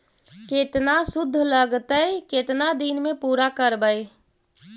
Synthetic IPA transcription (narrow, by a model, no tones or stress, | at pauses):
ket̪nasʊd̪ʱːləɡt̪əjket̪nad̪inmepuɾakəɾbəj